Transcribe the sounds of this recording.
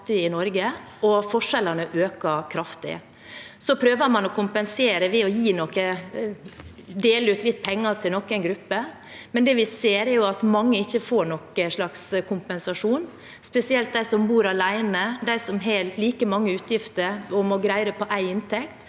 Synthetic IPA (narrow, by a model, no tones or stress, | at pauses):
t̪ɪɪnɔɾɡə | ɔfɔʂɛlənəʔøːkəɾkʰɾɑft̪ɪ̰ə̰ | sɔpʰɾøːʋəɾmɑnɔkʰʊmpɛnseːɾəʋɛɔjiːnɔkːə | d̪eːləʉːt̪ʰlɪt̪̚ːpʰɛŋːɑt̪ʰɪlnɔkːæɪnɡɾʉpːə | mɛnd̪ɛːʋɪseːɾɛɾjʊɑt̪mɑŋːəɪçːəfoːɾɳɔkəʂɭɑkskʰʊmpɛnsɑʂuːn | spɛsɪɛlt̪̚d̪æɪsɔmbuːɾɑlæɪnəd̪æɪsɔmɦelliːkəmɑŋːəʉːt̪jɪft̪əɾɔmɔɡɾæɪɾəpʰɔʔæɪɪnt̪ʰɛkt̪